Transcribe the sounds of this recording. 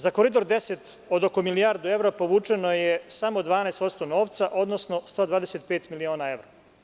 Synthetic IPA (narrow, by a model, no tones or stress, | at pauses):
zakoɾid̪o̞ɾd̪e̞set̪ | o̞d̪o̞komilijaɾd̪ue̞ʋɾapo̞ʋuːt͡ʂeno̞jesamo̞d̪ʋaːnaest̪o̞d̪st̪o̞no̞ːʋt̪saʔo̞d̪nosno̞st̪od̪ʋaːd̪eset̪pe̞ːt̪milioːnae̞ʋɾo